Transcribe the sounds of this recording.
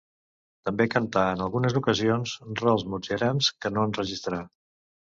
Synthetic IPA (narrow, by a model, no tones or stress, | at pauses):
t̪əmbekənt̪aənəlˠɣunəzukəzionzrəlˠzmud͡ʒɛɾɛmskənoənrəʒist̪ɾa